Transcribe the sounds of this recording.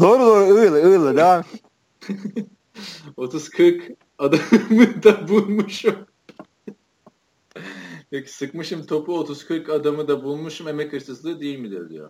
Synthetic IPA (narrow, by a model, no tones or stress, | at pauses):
d̪oːɾud̪oːɾuɯjlˠaɯjlˠad̪eaːm | ot̪ʰuz̥kʰɯɾk | ad̪amɯd̪abulˠmuʃum | pʰeci̥sɯkmɯʃɯmt̪ʰo̞puot̪ʰuz̥kʰɯɾkad̪amɯd̪abulˠmuʃumemɛkʰɯɾsɯslˠɯd̪ejilʲmid̪ijod̪ḭjo̰